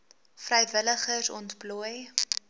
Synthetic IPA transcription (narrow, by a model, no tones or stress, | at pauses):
frəjvələχərsɔ̰ntpluj